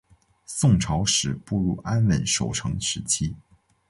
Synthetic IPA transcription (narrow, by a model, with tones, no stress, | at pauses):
sʊ˥˩ŋʈ͡ʂʰɑ˧˥ʊʂɻ̩˨˩pu˥˧ɻu˥˩ʔa˥nwə˧˨˩nʂo˨˩ʊʈ͡ʂʰɤ˧˥ŋʂɻ̩˧˥t͡ɕʰi˥